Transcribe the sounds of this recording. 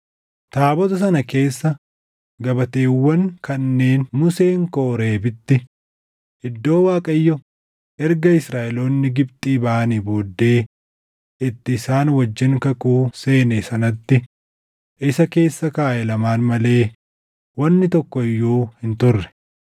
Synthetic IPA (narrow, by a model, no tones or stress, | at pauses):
t̪aːbɔt̪ɐs̬ɐnɐke̞ːsːɐ | ɡɐbɐt̪eːwːɐŋkɐnːe̞ːnmʊse̞ːŋkoːɾe̞ːbɪt̪ːɪ | ɪd̪ːo̞ːwaːkʼɐjːɔ | ʔɛɾɡɐɪsɾaːʔɛloːnːɪɡɪbt̪ʼiːbaːniboːd̪ːe̞ː | ʔɪt̪ːɪːsaːnwɐd͡ʒːɪŋkɐkuːse̞ːnesɐnɐt̪ːɪ | ʔɪsɐke̞ːsːɐkaːʔɛlɐmaːnmɐle̞ː | wɐnːɪt̪ɔkːɔɪjːoːhɪnt̪ʊrːɛ̥